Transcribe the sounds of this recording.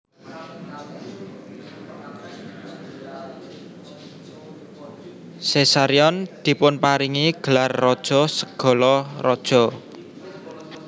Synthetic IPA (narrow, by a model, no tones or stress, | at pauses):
sesaɾiɔnd̪̥i̤pʊnpaɾiŋiɡ̥ə̤larːɔd̥ʒ̥ɔ̤səɡ̥ɔ̤lɔrɔd̥ʒ̥ɔ̤